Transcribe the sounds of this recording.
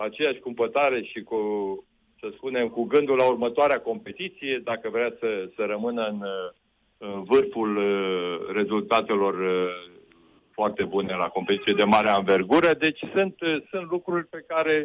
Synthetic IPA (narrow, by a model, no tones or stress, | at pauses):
at͡ʃe̞jaʃʲkumpət̪aɾe̞ʃiku | səspune̞mkuɡɨnd̪ulːaurmət̪oaɾeako̞mpe̞t̪it̪sije̞d̪akəvɾeasəsəɾəmɨnəɨn | ɨvɨrful | re̞zult̪at̪e̞lo̞r | foart̪e̞bune̞lako̞mpet̪it̪sijed̪e̞maɾeaɨnve̞rɡuɾəd̪e̞t͡ʃʲsunt̪sunt̪lukɾurʲpe̞kaɾe̞